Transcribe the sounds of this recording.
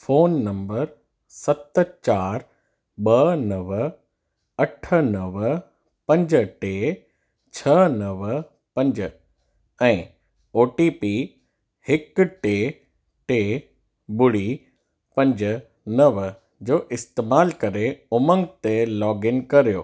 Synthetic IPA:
foːnːɐ̃mbəɾ | sɐt̪t͡ɕaːɾ | ɓɐnɐʋ | ɐʈʰənɐʋ | pɐ̃ɲd͡ʑʈe | t͡ɕʰɐnɐʋ | pɐ̃ɲd͡ʑə | ɛ̃ː | oːʈipi | hɪkʈe | ʈe | bʊɽi | pɐ̃ɲd͡ʑ | nɐʋ | d͡ʑoːʔɪst̪eːmaːlkɐɾeʊmə̃ŋɡt̪elɔːɡɪnkɐɾijo̰ː

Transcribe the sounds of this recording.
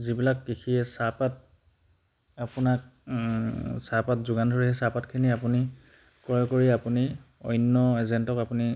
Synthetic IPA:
zibilakːikʰiɛsapat̚ | apʊnak̚ | sapatzʊɡandʱoɹiɦɛsapatkʰiniapuni | kɔɹɛkoɹiapuniɔ̰jnːɔɛzɛntɔkapuni

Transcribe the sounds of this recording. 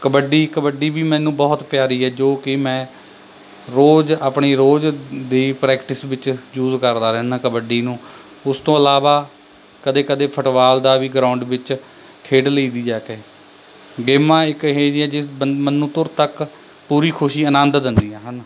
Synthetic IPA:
kəbəɖiːkəbəɖiːbiːmɛ̃ːnũːbɔːt̪pjaːɾiːɦɛːd͡ʒoːkɪmɛ̃ː | ɾoːd͡ʒaːpɳiːɾoːd͡ʒd̪iːpɾɛːkʈɪsʋɪt͡ʃjuːzkəɾd̪aːɾɛːnːkəbəɖiːnũː | ʊst̪õːəlaːʋaː | kəd̪eːkəd̪eːpʰəʈʋaːld̪aːʋiːɡɾãːʊɳɖʋɪt͡ʃ | kʰeːɖləiːd̪iːd͡ʒaːkeː | ɡeːmãːɪkɦeːd͡ʒiɛːd͡ʒɪmənːũːt̪ʊɾt̪ək | puːɾiːkʰʊʃiːənə̃nd̪d̪ɪnd̪iːɦɛːɦən

